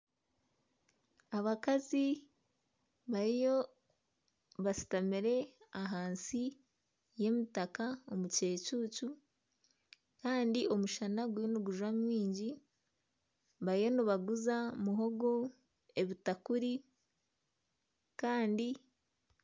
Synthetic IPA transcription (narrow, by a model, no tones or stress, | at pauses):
aβakazi | βaɾijo | βasi̥tamiɾe̞aɦaːnsi | je̞mitakaomuce̞ːcuːcu | kaːndiʔo̞muʃanaɡujoniɡuʒwamwiːɲɟi | βaɾijo̞niβaɡuzamuɦo̞ɡo | e̞βitakuɾi | kaːndi